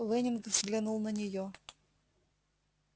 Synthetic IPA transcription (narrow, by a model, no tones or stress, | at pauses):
lɨnʲɪnkvzɡlʲinulˠnənʲɪjo